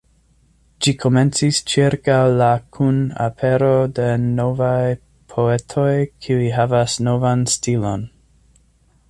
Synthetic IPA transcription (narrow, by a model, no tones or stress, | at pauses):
d͡ʒikʰo̞me̞nt͡sist͡ʃiɾkawlakʰuna̰pʰe̞ɾode̞no̞vaj | pʰo̞etʰo̞jkʰiuiɦavasnovanstilo̞n